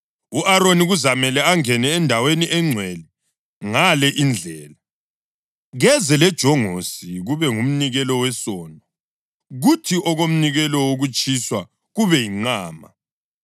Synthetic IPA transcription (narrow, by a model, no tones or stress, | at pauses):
uʔaɾoniɣuzamɛlɛaŋɛnɛːndʱaweniʔɛŋ͡ǀʱwɛli | ŋalɛʔind͡ɮʱɛːla | ɣɛzɛlɛd̥ʒ̥ʱɔŋosiɣuβɛŋum̩niɣɛlɔwɛsɔːndʱɔ | ɣutʰiʔɔɣom̩niɣɛlɔwoɣut͡ʃʼiswa | ɣuβɛjiŋ͡ǃaːma̰